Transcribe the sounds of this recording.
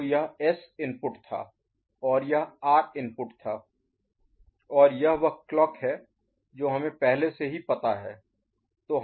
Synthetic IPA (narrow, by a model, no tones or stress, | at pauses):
jɐɦɛsɪ̃npʊʈt̪ʰa̰ː | ɔːɾjɐɦaːɾɪ̃mpʊʈt̪ʰaː | ɔːɾjɐɦʋɐɦklɔːkɦɛː | d͡ʒoːɦɐmẽpɛɦleseɦipɐt̪aɦɛː | t̪oːɦ